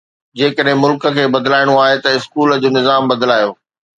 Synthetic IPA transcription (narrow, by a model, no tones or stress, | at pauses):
d͡ʑeːkəɗɦɪ̃mʊlkə̆kʰeːbɐd̪ɪlaːɪɽ̃oaːɦet̪ɐɪskuːld͡ʑoːnɪzaːmbɐd̪laːjoː